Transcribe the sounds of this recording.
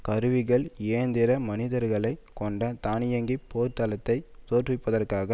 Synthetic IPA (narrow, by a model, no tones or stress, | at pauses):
kɐɾɯʋɪɣɐɭeːnd̪ɪɾɐmɐnɪðɐɾɣɐɭɐɪkːɔɳɖɐt̪aːnɪjɐŋɡipːoːɾt̪ɐlɐt̪ːɐɪt̪oːrrɪpːɐðɐrkaːɣɐ